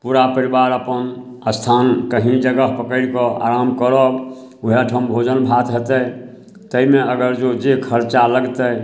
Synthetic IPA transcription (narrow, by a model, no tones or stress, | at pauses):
puɾapəɾibaɾəpən | əst̪ʰankəɦĩd͡ʒəɡəɦpəkəɽkɔa̰ɾamkəɾɔk | uɦeʈʰəmbʱod͡ʒənbʱat̪ɦət̪ə | t̪əimeəɡəɾd͡ʒod͡ʒekʰəɾt͡ʃaləɡt̪ə